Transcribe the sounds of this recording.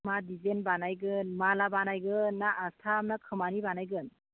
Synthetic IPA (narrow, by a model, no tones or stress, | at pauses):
madizenbanajɡɯnmalabanajɡɯnːaʔːstʰamnakʰɯmanibanajɡɯn